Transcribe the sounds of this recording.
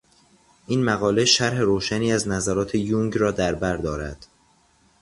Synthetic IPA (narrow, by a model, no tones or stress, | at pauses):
ʔiːnmæɣɒːle̞ʃæɾɦe̞ɾoːʃæniːæznæzæɾɒːt̪ʰe̞juŋɡɾɒːd̪æɾbæɾd̪ɒːɾæ̰d̪̥